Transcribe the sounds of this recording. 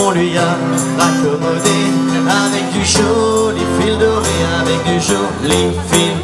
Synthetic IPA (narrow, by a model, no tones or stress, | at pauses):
ɔ̃lɥia | ʁakɔmɔd̪eavɛk̚d̪yʃolefild̪əʁeavɛk̚d̪yʃo | lefil